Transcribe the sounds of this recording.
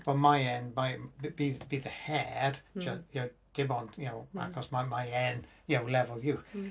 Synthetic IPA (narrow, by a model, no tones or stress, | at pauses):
b̥ɔmaɪɛnmajbbibiðəhɛd̥d͡ʒəjod̥ɪbɔ̃njənowa̰kʰɔsmamaɪɛn | jowlɛvəlˠvju